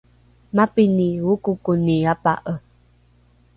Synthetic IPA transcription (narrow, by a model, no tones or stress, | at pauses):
mapiniukukuniapa̰ʔə